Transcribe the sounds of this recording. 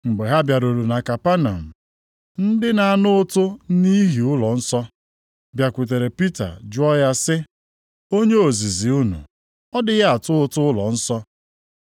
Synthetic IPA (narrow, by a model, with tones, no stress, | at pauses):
ŋ͡m̩˨ɡ͡be˨ɦa˦bja˨ɾo˨ɾo˨na˨ka˨pa˦na̰˨m̩˨ | n̩˦dɪ˦na˨a˦˨nʊ˦ʊ˦tʊ˦ni˦ɦi˨ʊ˦lɔ˨n̩˦sɔ˦ | bja˨kʷu˨t̬e˨ɾe˨pi˦ta̰˨d͡ʒʊ˦ɔ˦ja˦sɪ˦ | o˦ɲe˦o˨zi˨zi˨u˦nṵ˨ | ɔ˦dɪ˦ɣa˦a˨tʊ˦ʊ˦tʊ˦ʊ˦lɔ̰˨n̩˦sɔ˦